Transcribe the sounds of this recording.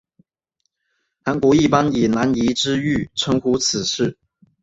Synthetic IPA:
xa˧˥nkwɔ˧˥i˥˩pa˦ni˨˩na˧˥ni˧˥ʈ͡ʂɻ̩˥y˥˩ʈ͡ʂʰə˧˥ŋxu˧˥t͡s̩ʰ˨˩ʂɻ̩˥˩

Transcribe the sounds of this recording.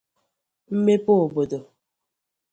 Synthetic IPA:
m̩˦me˦po˦o˨bo˨do˨

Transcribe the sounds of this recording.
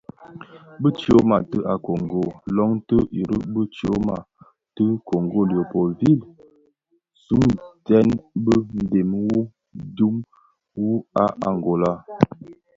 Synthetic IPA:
bə˦t͡ʃi˨o˦ma˨tə˦ʔa˨ko˨ŋ˨ɡo˨lɔ˦ŋtə˦ʔi˨ɾə̰˦bə˦t͡ʃo˦ma˨ | tə˦ko˨ŋɡo˦˨ljə˨po˨vi˦˨l | su˦ŋtɛ˦nbə˦n̩˨de˨m˦wu˦ | du˦m | wu˦a˦ʔa̰˨ŋ˨ɡo˨la˦

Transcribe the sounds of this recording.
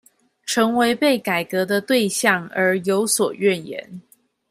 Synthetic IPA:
ʈ͡ʂʰɤ˧˥ŋwe˧˥ɪpe˥˩ɪka˨˩ɪkɤ˧˥d̪ə˧t̪we˥˧ɪɕjɑ˥˩ŋə˞˧˥jo˧˥ʊswɔ˨˩ɥɛ˥˩njɛ̰˧˥n

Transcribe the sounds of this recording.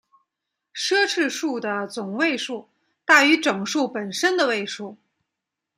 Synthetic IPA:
ʂɤ˥ʈ͡ʂʰɻ̩˥˧ʂu˥˩d̪ə˩t͡sʊ˨˩ŋwe˥˧ɪʂu˥˩ | t̪a˥˩y˧˥ʈ͡ʂɤ˨˩ŋʂu˥˩pə˨˩nʂə˥nd̪ə˨˧we˥˧ɪʂu˥˩

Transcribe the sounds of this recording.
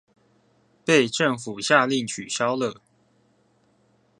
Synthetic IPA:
pe˥˨ɪʈ͡ʂə˥˨ŋfu˨˩ɕja˥˧li˥˩ŋt͡ɕʰy˨˩ɕjɑ˦ʊlə˨

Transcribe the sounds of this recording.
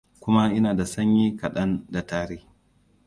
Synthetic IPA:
kʷʊ˦ma˦ʔɪ˦naː˨da˨sɐ˦ɲjiː˦kɐ˨ɗɐ˦nda˨taː˦ɾeː˦

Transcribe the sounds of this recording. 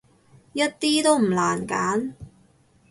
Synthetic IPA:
jɐ˥t̚t̪iː˥t̪o˥wm̩˨˩laː˨˩nkaː˨˥n

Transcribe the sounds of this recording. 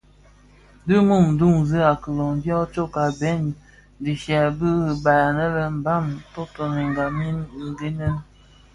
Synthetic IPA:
dɨ˦mu˦˨m˦du˦˨ŋzɨ˦a˨kə˨lo˨ŋdjɔ˦t͡ʃo˦ka˨bɛ˦n | di˨ʃa˨bɨ˦˨ba˨ja˨nə˦lə˦m̩˨ba˦˨mto˦to˨ni˨ŋ˨ɡa˨mi˦n˨ŋ˨ɡe˦nə˦n

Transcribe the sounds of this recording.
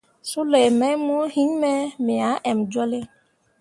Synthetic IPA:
su˦lɛ˨mɛ˦mu˦ɔ˦hi˦ɲmɛ˦mɛ˨a˨˦ʔɛ˨md͡ʒɔ˦le˦

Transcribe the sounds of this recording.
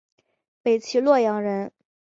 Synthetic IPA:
pe˨˩ɪt͡ɕʰi˧˥lwɔ˥˩jɑ˧˥ŋɻə˧˥n

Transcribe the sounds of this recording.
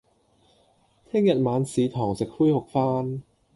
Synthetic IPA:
t̪ʰɪ˥ŋjɐ˨˩t̪̚maː˨˧nsiː˨˦t̪ʰɔː˨˩ŋse˨˩k̚fuː˥jho˨˩k̚faː˥n

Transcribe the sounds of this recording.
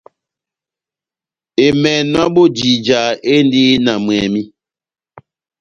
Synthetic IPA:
e˨mɛ˨n˦a˦ɓo˦d͡ʒi˨d͡ʒa˨e˦ndi˦na˨m˨ɛ˨mi˦

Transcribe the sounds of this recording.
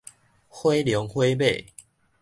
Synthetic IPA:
hwe˦ɪljɔ˨˦ŋxwe˦be˥˨

